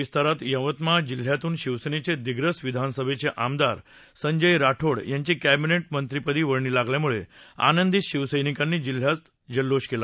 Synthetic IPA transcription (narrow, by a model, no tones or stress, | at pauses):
ist̪aɾat̪jə̃ʋət̪mad͡ʑil̤ːjat̪uːnɕiʋsənet͡sed̪iɡɾəsʋid̪ʱansəbʱet͡seʔamd̪aɾ | səɲd͡ʑəjɾaʈʰoɽjaɲt͡ɕiːkæbineʈ̚mənt̪ɾipəd̪iːʋəɽɳiːlaɡljamuɭea̰nənd̪iɕiʋsəjnikanːiːd͡ʑil̤ːjat͡s | d͡ʑəlːoɕkela